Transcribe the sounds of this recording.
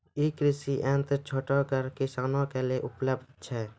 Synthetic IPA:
iːkɾɪsiʔɛ̃nt̪t͡ʃʰoːʈɔkəɾkɪsaːnõkeleʔʊpləbd̪t͡ʃʰɛː

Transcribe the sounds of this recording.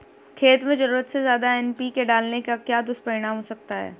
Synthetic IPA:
kʰeːt̪mẽzɐɾuːɾət̪sezjaːd̪aɛːnpikeɖaːlnekakjaːd̪ʊspɐɾɪɽ̃aːmɦosɐk̚t̪aɦɛ̰ː

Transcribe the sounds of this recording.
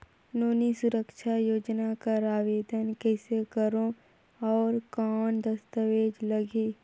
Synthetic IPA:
noːnisʊɾəkʃajoːd͡ʒnakaɾaːʋeːd̪ənkɛːsekəɾõ | ɔːɾkɔːɳd̪əst̪əʋeːd͡ʒləɡi

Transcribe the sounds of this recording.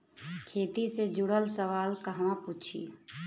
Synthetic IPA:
kʰeːt̪ised͡ʒʊɽəlsəʋaːlkəɦmãput͡ʃʰḭ

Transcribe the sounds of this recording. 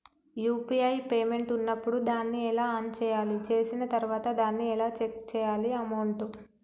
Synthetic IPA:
juːpiɐjpeːme̞ɳʈunːɐpːuɽud̪aːnːiɛlaːɐnt͡ʃɛːjaːlit͡ʃe̞ːsinɐt̪ɐɾuʋaːt̪ɐd̪aːnːiɛlaːt͡ʃek̚t͡ʃɛːjaːliɐmɐwɳʈu

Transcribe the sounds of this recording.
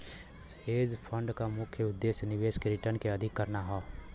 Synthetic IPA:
eːd͡ʒpʰə̃ɳɖkamʊkʰjəʊd̪ːeːsnɪʋeːskeɾɪʈəɾnkeɐd̪ʱɪkːɐɾnaɦoː

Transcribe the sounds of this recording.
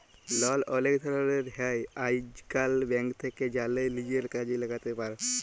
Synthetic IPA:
lɔlɔlekd̪ʱəɾaɾeɾɦajajd͡ʒkalbɛ̃ŋɡt̪ʰekːed͡ʒalelid͡ʒeɾkad͡ʒiləɡat̪epaɾ

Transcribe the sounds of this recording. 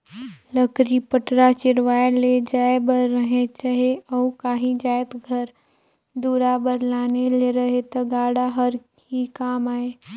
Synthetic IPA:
ləkɾipəʈɾat͡ʃɪɾʋaːeled͡ʒaːebəɾːəɦet͡ʃaɦeɔːukaːɦĩd͡ʒaːjt̪ɡʱəɾ | d̪uːɾabəɾlaːneleɾɐɦet̪ɐɡaːɽaɦəɾ | ɦikaːmaːeː

